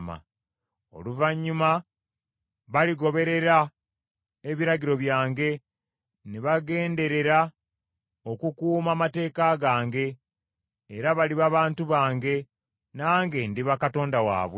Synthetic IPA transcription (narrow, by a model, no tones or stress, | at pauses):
ma̰ | o̞̰luvaɲːuma | βaliɡo̞βe̞ɾe̞ɾa | eβiɾaɡiɾo̞βjaːŋɡe̞ | neβaɡe̞ːnde̞ɾe̞ɾa | o̞kukuːmamate̞ːkaɡaːŋɡe̞ː | ɾaβaliβaβaːntuβaːŋɡe̞ | naːŋɡe̞ndiβakato̞ːndawa̰ːβwe